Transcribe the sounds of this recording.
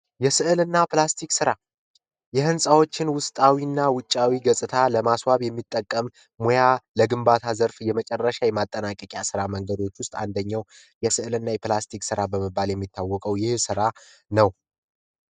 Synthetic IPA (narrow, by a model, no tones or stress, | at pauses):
jɛsɨʔɨlɨnːaplast̪ʰiksɨɾa | jɛhɨnsʼawo̞t͡ʃːɪnwʊst̪ʼawinːawʊt͡ʃʼːawiɡəsʼɨt̪ʰaləmaswaβjɛmːit̪ʼːəkʼːəmː | ojaləɡɨmbat̪ʰazəɾfjɛmət͡ʃʼɛrːəʃajɛmat̪ʼːənakʼəkʼjasɨɾaməŋɡəd̪o̞t͡ʃːwʊst̪ʼa̰nd̪əɲːaw | jɛsɨʔɨlɨnːajɛplast̪ʰiksɨɾabəməbːaljɛmːit̪ʰːawːɔkʼəwjɪhsɨɾanəw